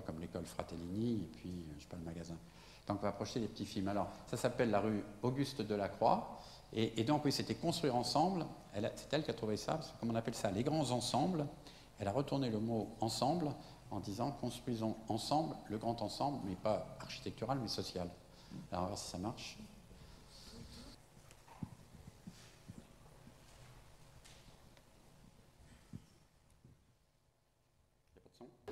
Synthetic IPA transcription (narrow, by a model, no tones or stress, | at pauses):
kɔmlekɔlfχa̰t̪eliniepʰɥiøʒepaləmaɡazɛ̃ | t̪ɑ̃kɔ̃vapχɔʃt̪elepət̪ifilmalɔʁsasapɛlːaʁyoɡʲyst̪d̪əlakχwa̰ | eʔːd̪ɔ̃kwiset̪ɛkɔ̃st̪χwiʁɑ̃sɑ̃bl | ɛlasɛ̥t̪ɛlkat̪χuvesa̰pasə̥kɔmɔ̃napɛlsaleɡʁɑ̃zɑ̃sɑ̃bl | ɛlaʁət̪uʁneləmoɑ̃sɑ̃bl | ɑ̃d̪izɑ̃kɔ̃st̪χwɥizɔ̃ɑ̃sɑ̃blləɡʁɑ̃t̪ɑ̃sɑ̃blmɛpaaʁʃi̥t̪ɛk̚t̪yʁalmɛsɔsjal | alɔʁɑ̃vwaʁsi̥samaʁʃ | psɔ̃